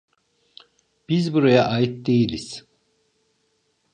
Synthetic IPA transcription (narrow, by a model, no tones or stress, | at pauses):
b̥izbuɾajaʔaːjit̪̚d̪ejilʲiz̥